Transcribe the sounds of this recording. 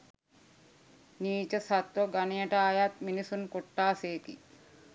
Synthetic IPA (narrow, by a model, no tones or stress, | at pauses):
niːt͡ʃɐsɐt̪ɾoɡɐnejɐʈɐaːjat̪̚minisunkoʈːaːseːkḭ